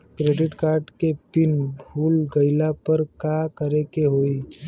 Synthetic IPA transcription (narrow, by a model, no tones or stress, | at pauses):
kɾeːɖɪʈkaːɾɖkepɪnbʱuːlɡəɪlapəɾkakəɾekeɦoːi